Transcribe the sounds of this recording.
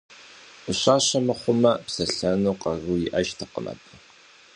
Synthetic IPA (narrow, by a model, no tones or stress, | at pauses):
ʊɕʷʼaːɕɐmɐχʷʊmɐpsɐɬɐnuːqʼɐruːjɪʔɐʒtʰɐqə̰nɐ̰pʼɐ